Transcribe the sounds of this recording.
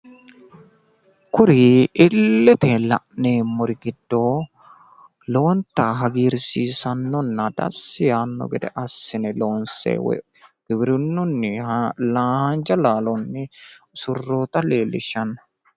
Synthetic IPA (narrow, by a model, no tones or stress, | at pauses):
kʊɾiʔɪlːɛt̪elɐ̰ʔneːmːɔɾɪɡɪd̪ːoː | loːnt̪ːaːɦɐɡiːɾsiːsɐnːɔnːɐd̪̥ɐ̰sːɪjaːnːɔ̰ɡɛd̪ɛ̰ʔɐsːɪnɛloːnsḛːw̰ | ɡ̥ɪbɪɾʊnːʊnːɪlaːhand͡ʒɐlaːlɔnːɪsʊrːoːt̪ɐleːlːɪʃːɐnːɐ̥